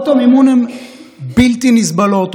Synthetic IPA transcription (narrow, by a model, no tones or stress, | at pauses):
t̪omimunɐm | bilt̪inizbɐloːt̪